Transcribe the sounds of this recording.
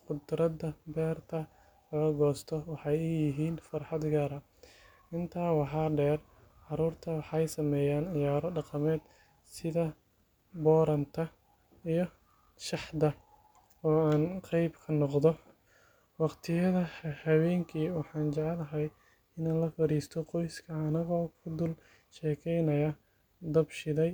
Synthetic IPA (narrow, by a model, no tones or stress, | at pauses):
qʊd̪ɾɐd̪ɐbɛːrt̪ʰɐ | lɐɣɐɡɔːst̪ʰɔwɑħɑjʊjɪɦiːnfɑrħɑd̪ɡaːɾɐ | ʔɪnt̪ʰaːwɑħɑːɖɛːr | ʕɑɾuːrt̪ʰɐwɑħɑjsɐmɛːjaːnʕɪjaːɾɔɖɑqɑmɛːd̪ | sɪðɐ | bɔːɾɐnt̪ʰɐ | ijɔ | ʃɑħd̪ɐ | ɔːaːnqɛjbkʰɐnɔqðɔ | wɑqt̪ʰɪjɐðɐhɐwɛːŋkʰiːwɑħɑːnt͡ʃɐʕɛlɐɦɐj | ɪnaːnlɐfɐɾiːst̪ʰɔqɔjskʰɐːnɐɣɔːkʰʊd̪ʊl | ʃɛːkʰɛjnɐjɐ | d̪ɐbʃɪðɛj